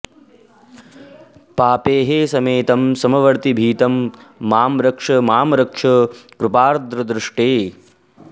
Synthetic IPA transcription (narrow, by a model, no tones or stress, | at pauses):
paːpeːɦesɐmeːt̪ɐmsɐmɐʋɐɾt̪ibʱiːt̪ɐmːaːmɾɐkʂɐmaːmɾɐkʂɐkɾupaːɾd̪ɾɐd̪ɾɪʂʈeː